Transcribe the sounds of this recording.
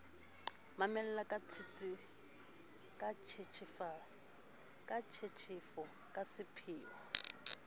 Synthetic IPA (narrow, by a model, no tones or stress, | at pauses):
mamɛl̩lakʼat͡sʰit͡sʼɪ | kʼat͡ʃʰet͡ʃʰfa | kʼat͡ʃʰet͡ʃʰɪfɔ | kʼasɪpʰɪːwɔ